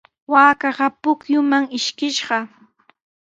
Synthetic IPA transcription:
waːkɑɢɑpʊkjʊmaŋɪʃkɪʃɢɑ

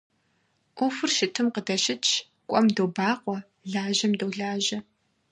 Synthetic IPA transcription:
ʔʊfɨrʃɪtʰɨmqədɐɕɪt͡ʃʰ | kʷʼɔmdoːbaːqʷɔ | ɮaːʑɐmdowɮaːʒɐ

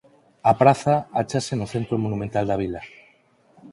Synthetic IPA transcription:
apɾaθaat͡ʃasenʊθent̪ɾomonumẽnt̪ald̪aβila

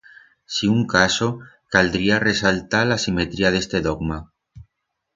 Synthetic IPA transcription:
siuŋkasokald̪ɾiaresalt̪alasimet̪ɾiað̞e̞st̪eðoɡma

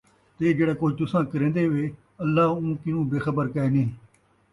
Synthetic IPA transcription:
t̪eːd͡ʒeːɽaːkoːd͡ʒt̪ʊsãːkəɾẽːnd̪eːʋeː | əlːaːũːkɪnũːbeːxəbəɾkəeːnẽː

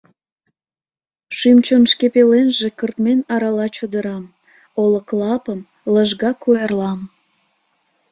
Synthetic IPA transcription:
ʃymt͡ɕonʃkepelenʒekərt̪menɑɾɑlɑt͡ɕəd̪əɾɑm | oləklˠɑpəm | ləʒɣɑkojɑrlɑm

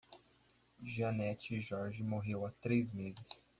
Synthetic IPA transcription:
ʒianɛt͡ʃɪːʒɔɾʒɪmoɦewat̪ɾejzmezɪs

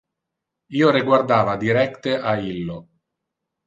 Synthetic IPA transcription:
iːoɾeɡward̪aːvad̪iɾɛkt̪eʔailːo

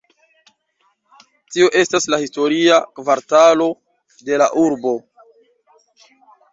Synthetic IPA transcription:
tio̞ʔe̞staslahisto̞ɾiakvaɾtalo̞ | de̞laʔuɾbo̞

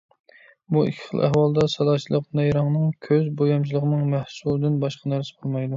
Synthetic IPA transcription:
buḭkʲʰɪ̥χəlˠʔæ̰hwɑlˠd̪ɑsɑlˠɑːt͡ʃʰilˠəqnɛjɾɑŋnɨŋkʲʰøzbojɑmt͡ʃʰilˠəʁənɨŋmæhsulˠɨd̪ɪnbɑʃqɑnæɾsɨ̥qʰolˠmɑjd̪u

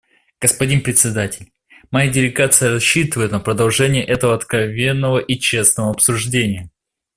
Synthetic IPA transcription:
ɡ̥əspɐdʲinpɾʲɪt̪ʲsʲɪd̪atʲɪlʲ | mɐjadʲɪlʲɪɡat̪sɨjəɾɐɕːit̪ɨvəjʊt̪nəpɾəd̪ɐlˠʐɛnʲɪjəʔɛt̪əvəɐt̪kɾɐvʲe̞nːəvəʔit͡ɕe̞snəvəɐpsʊʐdʲenʲɪjə

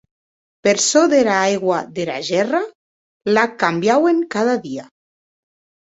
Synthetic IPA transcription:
peɾsoðeɾaajɣwaðeɾa̰ʒɛra | lakambjaweŋkað̞aðia

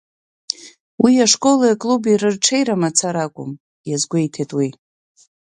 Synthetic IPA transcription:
wiaʂkʼo̞laakʼlubirɨrʈ͡ʂʰe̞jɾamat͡sʰaɾakʷʼʊ̰m | jazɡʷe̞jtʰetʼwi

